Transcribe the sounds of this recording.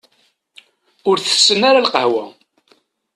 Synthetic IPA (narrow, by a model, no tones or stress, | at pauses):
ʊɾθə̥sːənaɾalqəhwæ